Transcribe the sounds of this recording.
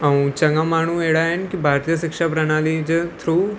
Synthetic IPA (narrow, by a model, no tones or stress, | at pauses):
əũːt͡ʃəŋɡamaːɳ̃ueːɽaːɦɛnkibʱaːɾt̪ijəʃɪkʃaːpɾənaːlid͡ʒt̪ʰɾuː